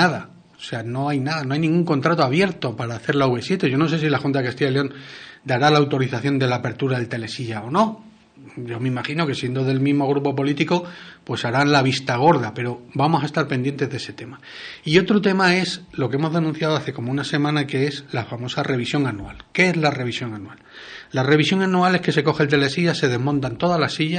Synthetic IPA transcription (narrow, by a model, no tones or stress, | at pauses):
aða | ose̞ano̞ajnaðano̞ajnĩŋɡuŋko̞nt̪ɾat̪oaβje̞ɾt̪o̞paɾaːθe̞ɾlauβe̞sjet̪e̞ʝo̞no̞se̞s̬ilaxunt̪aðekast̪ijaeleo̞nd̪aɾalaːwt̪o̞ɾiθaθjo̞nd̪e̞laːpe̞ɾt̪uɾaðelt̪e̞le̞siʝao̞no̞ | ɟ͡ʝo̞meimaxino̞kesje̞nd̪o̞ðe̞lmizmo̞ɣ̞ɾupo̞p̬o̞lit̪iko̞pwe̞saɾanlaβ̞ist̪aɣ̞o̞ɾðape̞ɾo̞bamo̞saest̪aɾpe̞nd̪je̞nt̪e̞ðe̞se̞t̪e̞maio̞t̪ɾo̞t̪e̞mae̞slo̞keemo̞zðe̞nũn̟θjaðoaθe̞ko̞mounase̞mãnake̞eslafamo̞sare̞β̞isjo̞ŋanua̰lkeezlare̞βisjo̞ŋanuallːare̞βisjo̞ŋanuale̞hke̞se̞ko̞xelt̪e̞le̞siʝase̞ð̞e̞zmõnt̪ant̪o̞ðalasiʝa